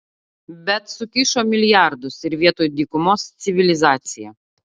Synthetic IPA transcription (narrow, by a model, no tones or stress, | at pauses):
bʲɛt̪sʊkʲɪʃoːmʲɪlʲjɑɾd̪ʊsɪɾʋʲiɛt̪oːjʊd̪ʲiːkʊmoːst̪sʲɪʋʲɪlʲɪzɑːt̪sʲɪjɛ